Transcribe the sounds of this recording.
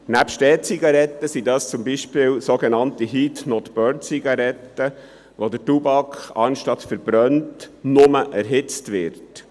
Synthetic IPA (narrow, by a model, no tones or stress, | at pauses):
næpʃtɛːt͡siɡɑɾɛt̪ːəsidɑst͡sʊmbiʃpɪːwsoɡenɑntiɦitnɔt̪b̥œnt͡siɡɑɾɛtːə | ʋodətubɑkχɑ̰nʃtɑtfəɾb̥ɾœntnʊməʔæɾɦɪt͡stʋɪɾt